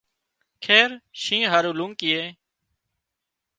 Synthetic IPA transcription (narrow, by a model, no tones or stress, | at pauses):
kʰeːɾʃĩːɦaːɾuːlũːŋkɪeː